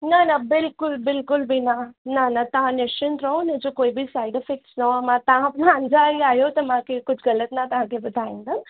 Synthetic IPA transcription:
nɐnɐbɪlkʊlbɪlkʊlbʱinanɐnɐt̪ɐɦãneʃənɾɐõnẽd͡ʒokoːibʱisaːɪɖfɪk̚snoɐmãt̪ɐɦãpnãə̃nd͡ʒaːiaːjot̪ɐmãkekʊd͡ʒʱɡɐlət̪nat̪ɐɦãːkebɐd̪ʱaːĩnd̪a

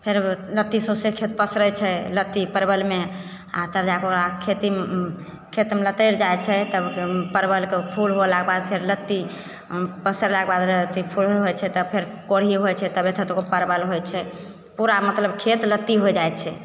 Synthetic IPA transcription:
pʰeɾlət̪ːisosekʰet̪̚pəsɾət͡ʃʰɛlət̪ːipəɾbəlme | a̰t̪əɾd͡ʒakoɾakʰet̪i | kʰet̪melət̪əɾd͡ʒajt͡ʃʰɛt̪əbpəɾbəlkepʰulɦolaɡebad̪̚pʰeɾlət̪ːi | pəsəɾlaɡebad̪lət̪ipʰulɦot͡ʃʰɛt̪əpʰeɾ | koɽ̤iɦojt͡ʃʰɛt̪əbet̪ʰət̪okopəɾbəlɦojt͡ʃʰɛ | puɾamət̪ləbkʰet̪lət̪ːiɦojd͡ʒajt̪t͡ʃʰɛ

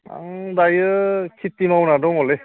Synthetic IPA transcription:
a̰dajɯkʰit̪ːimawnadɔŋɔle

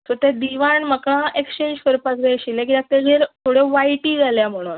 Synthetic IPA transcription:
t̪ot̪ɛd̪iʋaɳməkɭãʔekst͡ɕẽɲd͡ʑkəɾpasɡaɕilẽkid̪ak̚t̪eɦeɾt̪ʰoɽeʋajʈiːd͡zʱaljam̤əɽ̃ṵːn

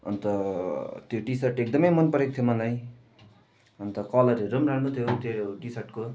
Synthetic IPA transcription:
ʌ̰nt̪ʌt̪joʈisʌrʈek̚d̪ʌmʌjmʌnpʌɾek̚t̪ʰjomʌlaj | ʌnt̪ʌkʌlʌɾeɾʌmranut̪ʰijot̪joʈisʌrʈko

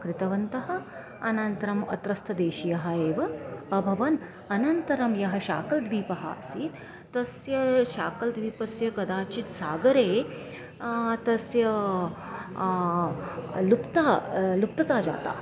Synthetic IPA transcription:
kɾɪt̪ɐʋɐnt̪ɐɦɐ̆ | ɐnɐnt̪ɐɾɐmɐ̰t̪ɾɐst̪ʰɐd̪eːʃijɐɦɐeːʋɐːbʱɐʋɐn | ɐnɐnt̪ɐɾɐmjɐɦɐ̆ʃaːkɐld̪ʋiːpɐɦa̰ːsiːt̪ | t̪ɐsjɐʃaːkɐld̪ʋiːpɐsjɐkɐd̪aːt͡ʃit̪saːɡɐɾeː | t̪ɐsjɐ | lupt̪aːlup̚t̪ɐt̪aːd͡ʒa̰ːt̪a̰ːɐ

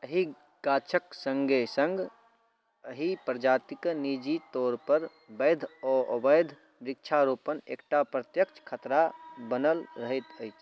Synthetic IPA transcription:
əɦi | ɡaːt͡ʃʰəksə̃ŋɡʱesə̃ŋɡ | əɦipɾəd͡ʒaːt̪iknid͡ʒit̪ɔːɾpəɾ | bəɪd̪ʱɔʔə̰bəjd̪ʱ | bɾɪk̚t͡ʃʰaɾopənḛːkʈapɾət̪jəkt͡ʃʰkʰət̪ɾabənəlɾəɦət̪əɪt͡ʃʰ

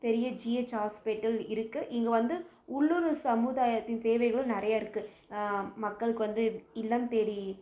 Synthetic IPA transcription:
t̪ɛɾɪjɐd͡ʒiːet͡ʃːaːspeːʈːɐlɪɾɯkːɯʔɪŋɡɐʋɐnd̪ɯ | ʊɭːuɾɯsɐmuðaːjɐt̪ːɪnt̪eːʋɐɪɣɐɭɯ̃nɪɾɐjaːɪɾɯkːɯ | mɐkːɐɭɯkːɯʋɐnd̪ɯɪlːaːnt̪eːɾi

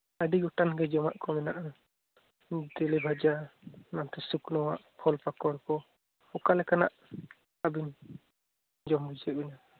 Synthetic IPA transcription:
əɖiɡɔʈanɡɛd͡ʒɔmaʔkɔmɛnaʔa | d̪ɛlɛbʱad͡ʒanant̪ɛsuknɔwaʔpʰɔlpakɔɽkɔ | hɔkalɛkanaʔ | abin | d͡ʒɔmbud͡ʒɛbɛna

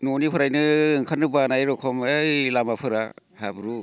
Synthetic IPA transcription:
nɔnipʰɯɾajnɯɯŋkʰanːɯbanajɾɔkʰɔmejlamapʰɯɾa̰ | habɾu

